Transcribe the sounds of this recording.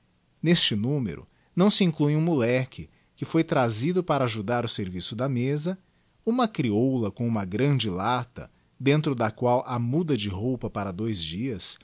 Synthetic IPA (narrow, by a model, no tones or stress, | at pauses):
nest͡ʃɪnũmḛɾʊ̰ | nɐ̃w̃siĩklujũmulɛkɪ | kɪfojt̪ɾazid̪ʊpaɾɐaʒud̪aɾʊseɾvisʊd̪ɐmezɐ | ũmɐkɾiowlɐkõũmɐɡɾɐ̃d͡ʒɪlat̪ɐ̰ | d̪ẽnt̪ɾʊd̪ɐkwawʔɐmud̪ɐd͡ʒɪɦowpɐpaɾɐd̪ojzd͡ʒiɐs